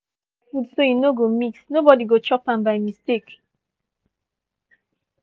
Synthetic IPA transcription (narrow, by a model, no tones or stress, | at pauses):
fudsojunoɡomiksnobɔdiɡot͡ʃɔpãmbaɪmistek